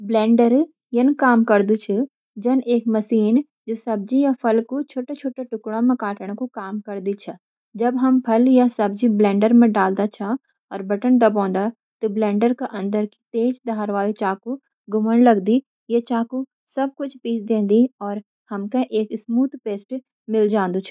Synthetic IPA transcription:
blɛ̃ːɳɖəɾ | jenkaːmkɐɾd̪ut͡ʃʰə | d͡ʒɐneːkmɐsiːn | d͡ʒoːsɐb̚d͡ʒijapʰɐlkut͡ʃʰoːʈet͡ʃʰoːʈeʈʊkɽamẽkaːʈəɽ̃kukaːmkɐɾd̪it͡ʃʰɐ | d͡ʒɐbɦɐmpʰɐljasɐb̚d͡ʒiblɛ̃ːɳɖəɾmẽɖaːld̪at͡ʃʰa | ɔːɾbɐʈənd̪ɐbɔ̃ːnd̪a | t̪oblɛ̃ːɳɖəɾkeʔɐ̃nd̪əɾki̥t̪eːd͡ʒd̪aːɾʋaːlit͡ʃaːku | ɡʊməɳlɐɡd̪i | jet͡ʃaːku | sɐb̚kʊt͡ʃʰpiːsd̪ẽːnd̪iɔːɾ | hɐmkeʔeːkɪsmuːt̪peːsʈ | mɪld͡ʒãːnd̪ut͡ʃʰ

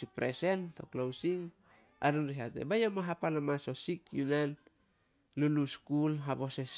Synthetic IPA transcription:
ipɾese̞nto̞̰klawsiŋ | a̰ɾinɾiɦatḛbajomaɦapalamaso̞sikjunan | luluskulɦabo̞ses

